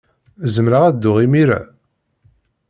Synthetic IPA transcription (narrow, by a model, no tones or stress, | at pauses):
zəmɾaʁæd̪ːʊʁimiɾæ̰